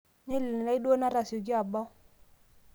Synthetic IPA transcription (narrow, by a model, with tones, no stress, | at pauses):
ɲe˦li˨n˨na˦i˦do˦na˦ɾa˨sjo˨ɡi˦a˨ba˦